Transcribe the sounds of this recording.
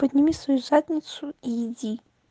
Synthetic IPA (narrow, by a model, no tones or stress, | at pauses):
pəd̪ʲnʲimʲisvɐjuzat̪ʲnʲɪt̪sʊijɪdʲi